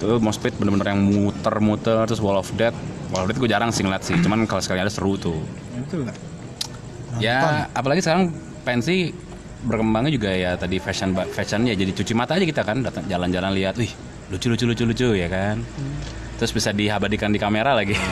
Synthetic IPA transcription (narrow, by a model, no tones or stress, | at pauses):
t̪umɔspɪt̪̚bənərbənərjaŋmut̪ərmut̪ərt̪ɾʊs̬wɔlɔfdɛt̪̚wɔlɔfdɛt̪̚ɡud͡ʒaɾaŋsiŋlat̪sɪht͡ʃumankalasəkaŋadasəɾut̪u | t̪u | jaːpalaɡisəkaɾaŋ | pɛnsi | bərkəmbaŋd͡ʒuɡajat̪adifɛʃənbafɛʃənjad͡ʒadit͡ʃut͡ʃimat̪aːd͡ʒakit̪akandat̪əŋd͡ʒaland͡ʒalanliat̪uih | lut͡ʃulut͡ʃulut͡ʃulut͡ʃujakan | t̪ɾʊsbisadiɦabadikandikameɾalaɡi